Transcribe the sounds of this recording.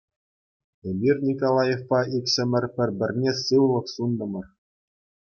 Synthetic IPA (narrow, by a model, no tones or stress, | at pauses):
ebʲirʲnʲikolˠɑjefpɑʔikʲɕɘ̆mʲɘ̆rʲpʲɘ̆rʲbʲɘ̆rʲnʲesɯʋlˠɤ̆ksund̪ɤ̆mɤ̆r